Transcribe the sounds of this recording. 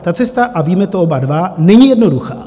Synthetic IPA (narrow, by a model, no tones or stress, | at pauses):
t̪at͡sɛst̪aʔaviːmɛt̪oobadvanɛɲijɛdno̞duxa̰ː